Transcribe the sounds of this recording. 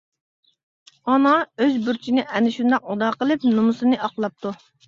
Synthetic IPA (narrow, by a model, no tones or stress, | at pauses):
ɑnɑøzbuɾt͡ʃʰinɪʔɛnɪʃund̪ɑqud̪ɑqəlˠɨp̚numʊsɨnɨʔɑqlˠɑp̚t̪ʰu